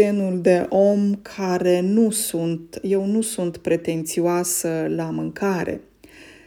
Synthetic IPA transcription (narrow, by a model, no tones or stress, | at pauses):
enuld̪e̞ʔo̞mkʰaɾe̞nusunt̪je̞wnusunt̪pɾe̞t̪e̞nt̪sioasəlamɨŋkʰaɾe̞̰